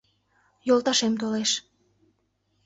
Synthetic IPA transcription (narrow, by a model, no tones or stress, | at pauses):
jolt̪ɑʃemt̪oleʃ